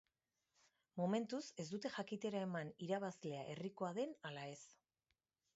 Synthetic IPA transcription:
mome̞nt̪use̞zd̪ut̪e̞ʝakit̪e̞ɾae̞maniɾaβ̞azle̞aʔe̞riko̞aðe̞nalae̞s

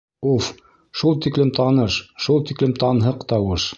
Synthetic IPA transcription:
uf | ʃulˠt̪iklɘmt̪ɑnɤʃʃulˠt̪iklɘmt̪ɑnɦɤqt̪ɑwɤʃ

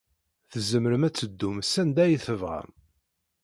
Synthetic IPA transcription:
θəzəməɾəmæt͡sːəd̪ːumsænd̪æjiθəvʁə̰m

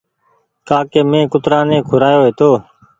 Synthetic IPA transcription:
kaːkeːmẽːkʊt̪ɾãːnẽːkʰʊɾaːjoːɦeːt̪oː

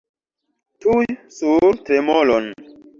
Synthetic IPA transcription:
tujsuɾtɾemolon

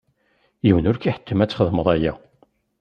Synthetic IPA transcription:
jiwənʊɾkiħə̥t̪ʰːəmæt͡sːχəðməðˤæjæ

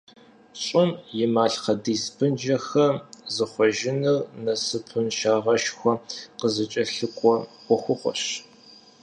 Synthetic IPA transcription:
ɕʼɪnjɪmaːɬqɐdiːsbɨnd͡ʒɐxɐzɨχʷɔʒɪnɨrnɐsɨpʰɨnʃaːʁɐʃxʷɔqəzɨt͡ʃʼɐɬɨkʷʼɔwʷɔxʷʊχʷɔ̰ɕ

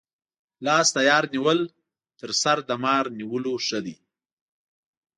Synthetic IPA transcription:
lɑːst̪ajɑːɾniwəl | t̪əɾsaɾd̪əmɑːɾniwəloʂəd̪i

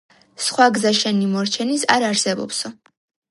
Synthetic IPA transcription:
sχwaɡzaʃɛnimɔɾt͡ʃʰɛnisaɾaɾsɛbɔ̰psɔ

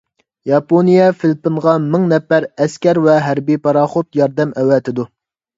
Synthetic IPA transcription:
jɑponijɛfɪlpɪnʁɑmɪŋnɛpːæɾɛskʲɛɾvɛɦæɾbipɑɾɑːχot̪jɑɾd̪ɛmɛwɛt̪ʰɪd̪u

